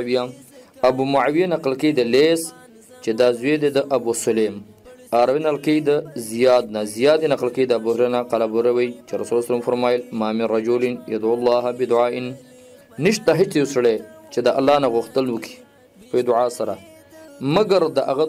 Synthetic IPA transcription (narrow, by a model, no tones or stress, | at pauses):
wijaabumʊʕawijanaqlked̪əles | t͡ʃed̪ɑzwed̪ed̪əʔabusʊlem | aːɾawinalkejd̪əzijɑːd̪̚nazijɑd̪enaqlkejd̪əabusɾenaqalabuɾewəjt͡ʃeɾasulaslemfaɾmɑːjlmɑːmiɾad͡ʒulɪnja̰d̪ʕʊlːɑːɦabɪd̪ʊʕaːɪnː | iʃt̪aɦɪt͡ʃjosɽet͡ʃed̪əʔalːɑːnaɣʊxt̪əlwəki̥ | pəjod̪ʊʕaːsaɾa | maɡaɾd̪əʔa̰ɣa